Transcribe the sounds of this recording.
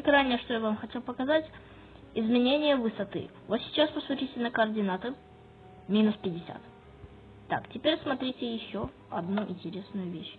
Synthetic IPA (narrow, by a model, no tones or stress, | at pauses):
kɾanʲɪjəʂt̪ojavamxɐtʲe̞lˠpəkɐzatʲ | ɪzmʲɪnʲenʲɪjəvɨsɐt̪ɨ̰vot̪sʲɪ̥t͡ɕaspəsutʲitʲɪnəkəːrdʲɪnat̪ɨ | mʲinʊspʲɪdʲːɪsʲa̰t̪ | t̪ːa̰ktʲɪpʲeɾʲsmɐt̪ɾʲitʲɪjɪɕːo | ɐd̪nuʔɪ̰nʲtʲɪɾʲe̞snʊjʊvʲeɕ